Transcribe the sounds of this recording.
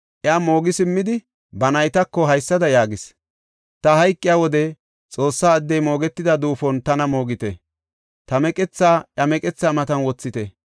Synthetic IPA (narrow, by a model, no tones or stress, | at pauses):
ʔɛaːmo̞ːɡɪsɪmːɪd̪ɪ | bɐnɐjt̪ɐkːɔɦɐjsːɐd̪ɐjaːɡɪs | t̪ɐhɐjkʼːɪjaːwɔd̪ɛ | t͡sʼo̞ːsːaːɐd̪ːɛjmo̞ːɡɛt̪ːɪd̪ɐd̪uːfɔnt̪ɐnɐmo̞ːɡɪt̪ɛ | t̪ɐmɛkʼɛt͡sːaːʔɐmɛkʼɛt͡sːaːmɐt̪ɐnwɔt͡sːɪt̪ɛ